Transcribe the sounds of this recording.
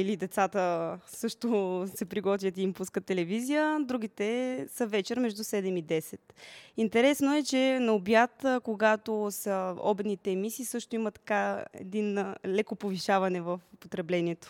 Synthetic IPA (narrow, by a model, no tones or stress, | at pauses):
ilid̪ɛt̪sat̪əsɤʃt̪osɛpɾiɡɔt̪vʲjət̪iimpuskət̪ːɛlɛvizijəd̪ɾuɡ̟it̪ɛsəvɛt͡ʃɛɾmɛʒd̪usɛd̪ɛmid̪ɛsɛt̪int̪ɛɾɛsnoɛt͡ʃɛnɐobjat̪koɡat̪osəɔ̰bɛt̪nit̪ɛːmisiːsɤʃt̪oimət̪ɐ̥kaɛ̰d̪inlɛkopoviʃavɐnɛvəfpot̪ɾɛblɛniɛt̪o̥